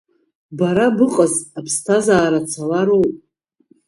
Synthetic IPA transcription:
baɾabɨqʼazapʰstʰazaːɾat͡sʰalaɾowpʼ

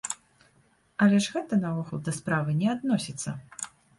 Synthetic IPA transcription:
ɐlʲɛʐɣɛt̪ɐnɐvuxud̪d̪ɐspɾavɨnʲɛad̪nɔsʲit̪sːɐ̰

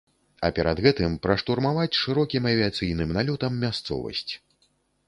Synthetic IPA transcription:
ɐ̰pʲɛɾɐd̪ɣɛt̪ɨmpɾɐʂt̪urmavat͡sʲʂɨɾɔkʲimɐvʲiat̪sɨjnɨmnalʲut̪ɐmːʲast̪sɔ̰vɐ̰sʲt͡sʲ

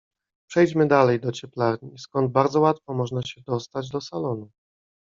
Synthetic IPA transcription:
pʂɛjd͡ʑmɘd̪alɛjd̪ɔt͡ɕɛplaɾɲiskɔnd̪̚baɾd̪zɔwat̪fɔmɔʐnaɕɛd̪ɔst̪ad͡ʑd̪ɔsalɔnu

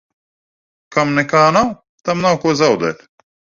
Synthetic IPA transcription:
kɐmnekaːnaw | t̪ɐmnawkozɐwd̪ḛl

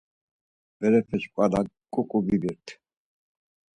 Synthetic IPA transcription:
b̥ɛɾɛpʰɛt͡ʃkʼalakʼːukʼubibiɾt̪ʰ

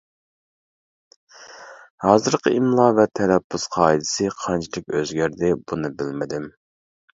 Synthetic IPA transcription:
hɑːzɨɾqʰəʔimlˠɑːvɛt̪ʰːɛɾɛpʰːusqʰɑːid̪ɪ̥sɨqʰɑnt͡ʃʰid̪ɪkʲøzɡʲæɾd̪ɪbunɨbɪlmɪd̪ɪm

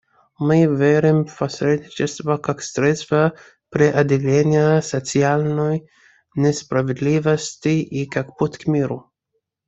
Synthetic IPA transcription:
mɨvʲeɾʲɪmfpɐsʲɾʲed̪ʲnʲɪt͡ʃɛst̪vɐkaksɾʲɛt̪st̪vɐ | pɾʲɪʔɐd̪ʲɪlʲenʲɪjəsɐt̪sɨalʲnoj | nʲɛspɾɐvʲɪd̪lʲivɐsʲtʲiʔikakput̪ʲkmʲiɾʊ

